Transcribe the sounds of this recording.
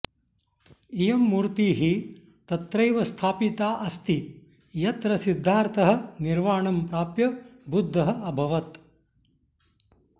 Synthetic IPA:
ijɐmːuːɾt̪iːɦi | t̪ɐt̪ɾɐjʋɐst̪ʰaːpit̪aːʔɐst̪i | jɐt̪ɾɐsid̪ʱːaːɾt̪ʰɐɦɐ̆niɾʋaːɳɐmpɾaːpjɐbud̪ʱːɐɦɐ̆ɐbʱɐʋɐt̪

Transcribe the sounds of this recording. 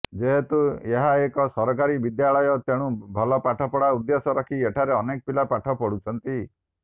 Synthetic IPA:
d͡ʒeɦet̪ueɦaekɔsɔɾɔkaɾibid̪jaɭɔjɔt̪eɽ̃ũbʱɔlɔpaʈʰɔpɔɽaud̪jesɔɾɔkʰieʈʰaɾeɔnekɔpilapaʈʰɔpɔɽut͡ʃʰɔnt̪i

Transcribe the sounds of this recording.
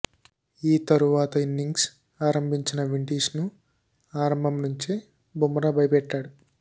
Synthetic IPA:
iːt̪ɐɾuʋaːt̪ɐinːiŋɡs | aːɾɐmbʱiɲt͡ʃinɐʋiɳʈiːsnu | aːɾɐmbʱɐmnuɲt͡ʃi | bʱumɐɾɐbɐjpɛʈːaːɽu

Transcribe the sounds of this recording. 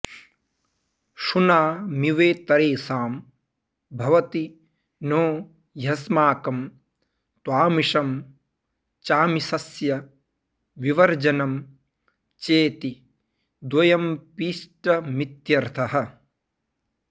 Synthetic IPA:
ʂunaːmiʋeːt̪ɐɾeːsaːm | bʱɐʋɐt̪i | noː | jɐsmaːkɐm | t̪waːmiʂɐm | t͡ʃaːmisɐsjɐ | ʋiʋɐɾd͡ʒɐnɐm | t͡ʃeːt̪i | d̪wɐjɐmpiːʂʈɐmit̪jɐɾt̪ʰɐɦɐ̆

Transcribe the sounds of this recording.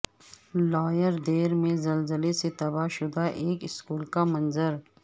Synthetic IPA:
laːjəɾd̪eːɾmẽzɐlzəleset̪ɐbaʃʊd̪aʔeːkɪskuːlkamɐnzəɾ

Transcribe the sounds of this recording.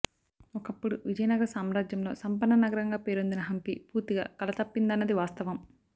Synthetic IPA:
ɔkɐpːuɽuʋid͡ʒɐjɐnɐɡɐɾɐsaːmɾaːd͡ʒjɐmlo̞̰ːsɐmpɐnːɐnɐɡɐɾɐŋɡaːpe̞ːɾond̪inɐɦɐmpipuːɾt̪iɡa̰ːkɐlɐt̪ɐpːind̪ɐnːɐd̪iʋaːst̪ɐʋɐm

